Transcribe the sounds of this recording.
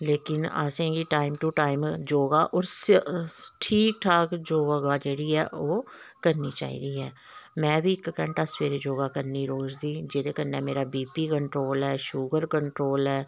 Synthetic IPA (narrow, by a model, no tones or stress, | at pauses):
leːkɪna̰sẽːɡiːʈaːɪmʈuʈaːɪmd͡ʒoːɡaːʔɔːɾs | ʈʰiːk̚ʈ̪ʰaːkd͡ʒoːɡaɡaːd͡ʒeːɽiːɛːʔoːkəɾniːt͡ʃa̰ːḭːd̪iːɦɛː | mɛ̃ːbʱiːɪkːəɳʈaːsʋeːɾeːd͡ʒoːɡaːkəɾniːɾoːzd̪iːd͡ʒeːd̪eːkənːɛːmeːɾaːbiːpiːkəɳʈɾoːlɦɛːʃuːɡəɾkəɳʈɾoːlɦɛː